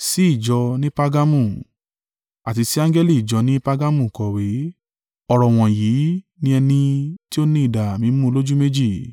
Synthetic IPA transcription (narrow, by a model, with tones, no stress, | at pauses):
si˦i˦˨d͡ʒɔ˧nĩ˦pa˦˧ɡa˦mũ˦˨ | a˨ti˧si˦ã˦ŋɡɛ˦li˦˨i˨d͡ʒɔ˧nĩ˦pa˦ɡa˦mũ˦˨kɔ˨we˨˦ | ɔ˨ɾɔ˨w̃ɔ̃˨ji˨˦ | nĩ˦ɛ˧nĩ˧ti˦o˦nĩ˦i˦˨da˨mĩ˨˦mũ˦o˧lo˦d͡ʒu˦me˦d͡ʒi˦˨